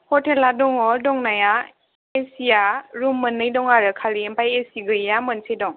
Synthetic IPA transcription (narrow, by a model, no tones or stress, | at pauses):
hɔteladɔŋɔdɔŋnaja | esijaɾumːɯnːɯjdɔŋaɾɯkʰalimpajesiɡɯjamɯnsʰejdɔŋ